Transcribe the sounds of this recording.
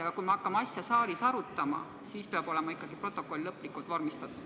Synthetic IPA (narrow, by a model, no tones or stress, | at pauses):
ɑɡɑkujmɑɑkːɑmɑsʲjɑsɑːɾisɑɾut̪ːˑɑmɑ̰ | siːspeɑbo̞le̞mɑikːˑɑɡ̥ipro̞t̪ːˑokːˑo̞lʲlɤpːˑlikːˑult̪vɑrmist̪ɑt̪ːˑud̪̥